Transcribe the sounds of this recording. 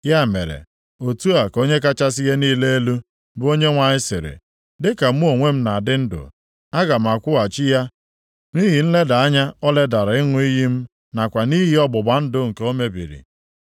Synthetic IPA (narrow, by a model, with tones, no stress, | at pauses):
ja˦˨mḛ˨ɾḛ˨ | o˨tu˦a˨ko˦ɲe˦ka˦t͡ʃa˦s̬i˦ɦe˦niː˦le˦e˦lu˦ | bʊ˦o˦ɲe˦ŋʷa˨ɲɪ˦sɪ̰˨ɾḛ˨ | dɪ˦ka˨m̩˦o˨ŋʷe˦m̩˦na˨a˨dɪ˦n̩˦dʊ̰˨ | a˦ɡa˨m̩˨a˨kʷʊ˦a˨t͡ʃi˦ja˦ | ni˦ɦi˨n̩˦le˦da˨a˦ɲa˦ɔ˦le˦da˨ɾa˨ɪ˦ŋʷʊ˦i˦ɦi˦m̩˦ | na˨kʷa˨ni˦ɦi˦ɔ˦bʊ˨ba˨n̩˦dʊ˦ŋ̩˨ke˦o˦me˦bḭ˨ɾḭ˨